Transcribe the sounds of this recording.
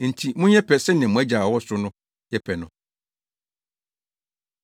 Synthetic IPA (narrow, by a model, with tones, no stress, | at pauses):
n̩˨tʰi˨mʊ̃˦ɲɛ˦pʰɛ˨sɛ˦nɪ̃˨mʊ̃˨˦æ˦d͡ʑa˨wɔ˦sʊ˦nʊ̃˦ | jɛ˦pʰɛ˨nʊ̰̃˨